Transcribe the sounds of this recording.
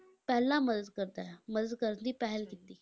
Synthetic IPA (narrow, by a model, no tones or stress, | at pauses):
pɛɦlːaməd̪ət̪kəɾt̪aməd̪ət̪kəɾət̪iːpaɦelɡit̪ːiː